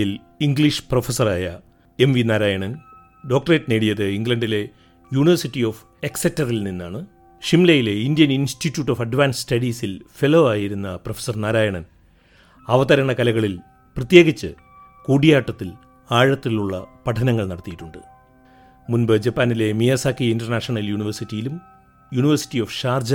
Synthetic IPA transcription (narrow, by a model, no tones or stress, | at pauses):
il | iŋɡɭiʂɨ̥profesɐraːjɐ | e̞mʋinaːɾaːjɐɳɐn | ɖo̞ːk̚ʈreʈːneːɽijɐðɨiŋɡlɐɳɖile̞ | juːɳiʋɐrsitːio̞ːf | eksetːɐrilninːaːɳɨ | ʂimlɐjile̞indijɐninstitːjuːʈːofɐɖʋaːnsstɐɽiːsilfe̞loʋaːjiɾunːɐprofe̥sɐrnaːɾaːjɐɳɐn | ɐʋɐðɐɾɐɳɐkɐlɐɣɐɭil | prɐt̪je̞ːɣit͡ɕːɨ | kuːɽijaːʈːɐt̪ːil | aːɻɐt̪ːiluɭːɐpɐʈʰɐnɐŋːɐɭnɐɽɐt̪ːijiʈːuɳɖɨ̰ | munbɨd͡ʑɐpːaːnile̞mijɐsaːkːiindɐrnaːʂɐɳɐljuːɳiʋɐrsitːijilum | juːniʋɐrsi̥tːijofʂaːrd͡ʑ